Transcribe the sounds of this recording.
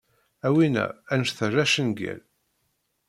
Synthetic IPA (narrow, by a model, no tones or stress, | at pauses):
æwinæ̰ænʃθəræʃənɡæ̰l